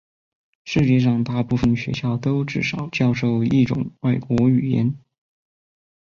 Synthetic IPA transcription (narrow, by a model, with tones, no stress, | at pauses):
ʂɻ̩˥˧t͡ɕjɛ˥˧ʂ̬ɑ˥˧ŋt̪a˥˧pu˥˩fə˨˩nɕɥɛ̰˧˥ɕjɑ˥˩ʊt̪o˥ʊʈ͡ʂɻ̩˥˩ʂɑ˨˩ʊt͡ɕjɑ˥˧ʊʂo˥˧ʊi˥˩ʈ͡ʂʊ̰˨˩ŋwa˥˩ɪkwɔ˧˥y˨˩jɛ̰˧˥n